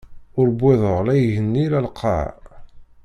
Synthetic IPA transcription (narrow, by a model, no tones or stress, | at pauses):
ʊɾbʷːɪðˤəʁlæjʝənːilælqʰɑ̰ʕ